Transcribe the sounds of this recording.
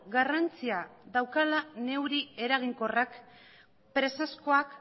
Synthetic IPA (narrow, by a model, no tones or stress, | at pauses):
ɡarant͡siaðawkalane̞wɾie̞ɾaɣ̞iŋko̞rak | pɾe̞sasko̞ak